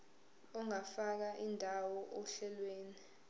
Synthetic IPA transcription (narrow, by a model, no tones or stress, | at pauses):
ɔŋafak̬aʔindʱawɔʔɔɬɛlweːni